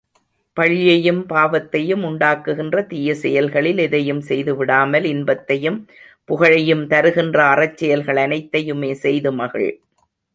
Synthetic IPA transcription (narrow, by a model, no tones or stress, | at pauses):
pɐɻɪjɐjɯmpaːʋɐt̪ːɐjɯmʊɳɖaːkːɯɣɪndrɐt̪ɪjɐsɛjɐlɣɐɭɪlɪðɐjɯmsɛjðɯʋɪɽaːmɐlɪnbɐt̪ːɐjɯm | pʊɣɐɻɐjɯmt̪ɐɾɯɣɪndrɐːrɐt͡ʃːɪjɐlɣɐɭɐnɐɪt̪ːɐjɯmeːsɛjðɯmɐɣɐ̰ɭ